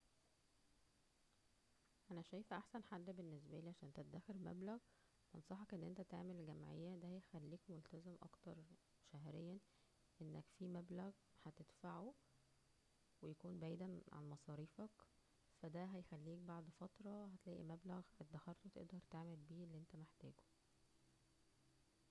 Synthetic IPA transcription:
ʔænæʃæjfʔaħsænħad̪ːbenːes̬bæʔliːʕaʃæːnt̪æt̪d̪æxeɾmæ̰blæɣ | mɑnsˤɑħɑkʔenːʔent̪æt̪aʕmelɡæmʕḛjːæd̪æhæjxælːiːkmolt̪æzemʔɑ̰kt̪ɑɾˤ | ʃæɦɾejːæ | ʔenːækfimæblæɣ | hæt̪ed̪faʕu | wejækuːnbaʕiːd̪æʕa̰nmɑsˤɑːɾiːfɑk | fæd̪æɦæjxælːiːk̚baʕd̪fɑt̪ɾˤɑhæt̪læːʔḭmæblæɣhæt̪ed̪æhɑɾˤt̪wet̪ḛʔd̪ɑɾˤt̪aʕmelbiːelːiʔent̪æmeħt̪æːɡo̥

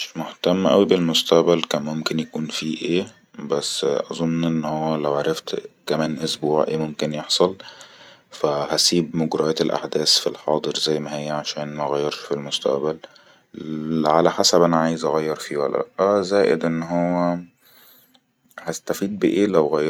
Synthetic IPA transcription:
ʃmoht̪æmːʔæ̰wibelmost̪æʔbælkæːnmomkenjækuːnfiːʔeː | bæsːʔɑzˤonːʔenːhowːælæwʕaɾˤɑft̪kæmæːnʔosbuːʕʔeːmomkenjeħsˤɑl | fæhæsiːbmoɡɾɑʔæːt̪elʔa̰ħd̪æːsfilħɑːd̪ˤɨɾzæjːmæɦejːæʕaʃæːnmæʔɣæjːɑɾˤʃfilmost̪æ̰ʔbæl | ʕalæħasæbʔænæʕaːjezʔɑɣæjːɑɾˤfiːwæ̰lːæ̰ʔʔæzæːʔḛd̪ʔenːɦowːæ | hæst̪æfiːd̪̚beʔeːlæwɣæjːɑ

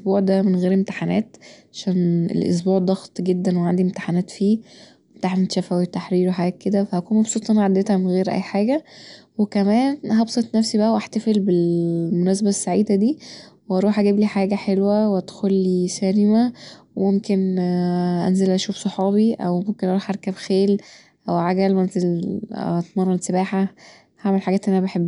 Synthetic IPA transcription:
ʔsbuːʕd̪æmenɣeːɾemt̪ḁħanæ̰ːt̪ʕaʃæːnḛlʔo̰s̬buːʕd̪ˤɑɣt̪ˤɡed̪ːænweʕand̪iʔemt̪ḁħanæːt̪fiː | emt̪aħnt̪ʃæfæwit̪ːaħɾiːɾweħaɡæːt̪̚ked̪æfæhækuːnmɑbsˤuːt̪ˤɑnʕad̪et̪hæmenɣeːɾʔæ̰jːħaːɡæwekæmæːnhɑbsˤet̪ˤnæfsibæʔæwʔaħt̪æfelbelmonæːsæbæsːaʕiːd̪æd̪iːwʔɑɾˤuːħʔæɡiːbliħaːɡæħelwæweæd̪xolːisæɾemæwemomken | ʔæ̰nzelʔæʃuːfsˤoħɑːbiʔæwmomkenʔɑɾuːħʔɑɾˤkæbxeːl | ʔæwʕaɡælmænzelɑt̪mɑrˤːɑsebaːħa | haʕmelħaɡæːt̪ʔænʔænæbeħebː

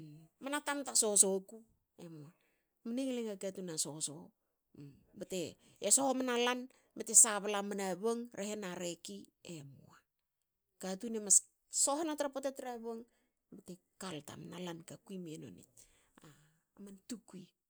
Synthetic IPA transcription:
manatamtaso̞soku | emoa | maneŋleŋakatunaso̞so | bate̞ | esohomanalan | bate̞saβalamanaβoŋɾʔehenaɾeki | emua | katunemas | soɦenatɾapotatɾaβoŋ | bate | kalta̰manalankakuimieno̰nḭt̚ | aː | mantukui

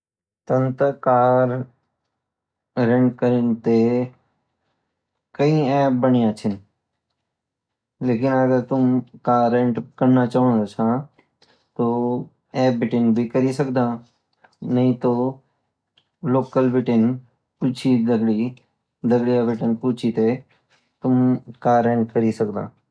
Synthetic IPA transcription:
t̪ɐ̃nt̪əkaːɾ | ɾẽɳɖkəɾɪnt̪e | kɐĩɛːp̚bɐɳɪjãt͡ʃʰɪn | leːkɪnɐɡəɾt̪ʊmkaːɾːẽɳʈkɐɾnat͡ʃaːɦʊɳd̪ot͡ʃʰãː | t̪o | ɛːp̚bɪʈɪnbʱikɐɾisɐkd̪ãː | nɐɦĩt̪oː | loːkəlbɪʈɪn | put͡ʃʰid̪ɐɡɽi | d̪ɐɡɽijabɪʈənpuːt͡ʃʰit̪e | t̪ʊmkaːɾẽːɳʈkəɾisɐkd̪ã̰ː

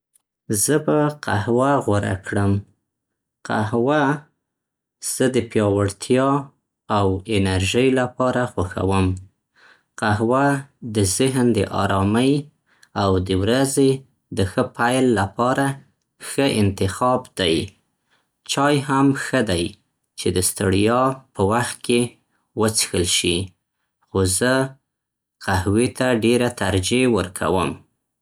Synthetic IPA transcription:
zəbaqʰahwaɣwaɾa̰kɽəm | qa̰ɦwa | z̥əd̪əpjɑwaɽt̪ʰjɑ | awɪnaɾʒəjlapɑɾaxaxa̰wəm | qaɦwad̪əzɪɦnd̪əʔɑ̰ɾɑməj | awd̪əwɾaze | d̪əxəpajlːapɑɾa | xəʔɪnt̪ɪxɑbd̪aj | t͡ʃɑjhamxəd̪aj | t͡ʃed̪əst̪əɽijɑpəwaxt̪̚ke | wət͡sxəlʃi | xozə | qahwet̪aɖeɾat̪aɾd͡ʒewəɾkʰa̰wəm

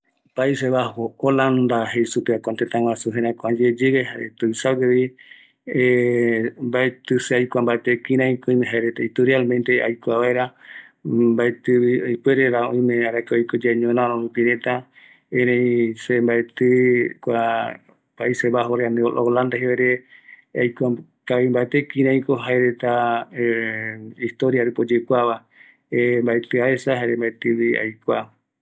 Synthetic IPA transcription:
paiseβahooland̪aɦejsupeakʷant̪et̪ãwãsuɦẽɾakʷad͡ʒed͡ʒeɡeɦaɾet̪ujsakeβi | e | mbaet̪ɨseajkʷambaet̪ekiɾãĩkoĩmẽɦaeɾet̪eit̪uɾialmẽnt̪ea̰jkʷaβaeɾa | mbaet̪ɨβiojpweɾeɾaõĩmẽaɾakeojkod͡ʒeɲõnãɾõũpiɾẽt̪a | ẽɾẽj̃sembaet̪ɨkʷa | paiseβaɦoɾeaneoland̪aɦeeɾe | ajkʷa | kaβimbaet̪ekiɾãj̃koɦaeɾet̪a | ist̪oɾjaɾepod͡ʒekʷaβa | embaet̪ɨaesaɦaeɾembaet̪ɨβia̰jkʷa

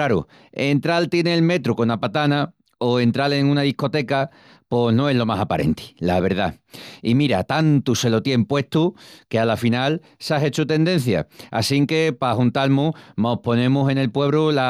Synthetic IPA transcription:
aɾṵ | e̞nt̪ɾalt̪jeneːlme̞t̪ɾuko̞napat̪ana | o̞e̞nt̪ɾale̞ŋũnaðihko̞t̪e̞ka | po̞no̞e̞ɦlo̞masapaɾe̞̰nt̪i̥laβ̞e̞ɾða | imiɾat̪ant̪use̞lo̞t̪je̞mpwe̞ht̪uke̞alafinal | seaɦe̞t͡ʃut̪e̞nd̪e̞n̟θja̰a̰siŋke̞pahunt̪almumopo̞nẽ̞muse̞ne̞lpwe̞β̞ɾula

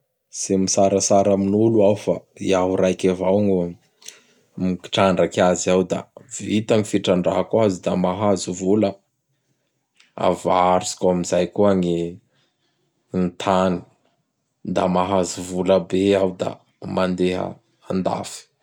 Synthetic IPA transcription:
z̥emisaɾəsaɾaminuluawfaḭaɦuɾajkʲavawŋu | miki̥ʈ͡ʂaɳɖ͡ʐakaziawd̪a̰vit̪aŋifiʈ͡ʂaɳɖ͡ʐa̰ɦakuazid̪a̰maɦazuvulə | a̰vaɾusi̥kamizajkuaŋi | nt̪ʰani̥ | d̪a̰maɦazuvuləbeawd̪a̰ | mand̪eɦə̰ | and̪a̰fi̥

